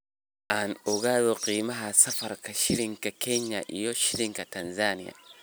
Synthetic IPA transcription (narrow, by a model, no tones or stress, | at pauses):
ʔanuɡaðoqiːmɐɦasɐfɐɾkaʃiɾiŋkakɛɲːa̰ʔḭjoʃiɾiŋkatɐnzanija̰